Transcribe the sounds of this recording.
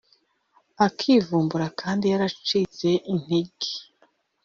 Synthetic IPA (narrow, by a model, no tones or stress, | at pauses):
akʰiːvuːmbuɾakʰaːndijaɾat͡ʃit͡se̞ʔin̥iɡi̥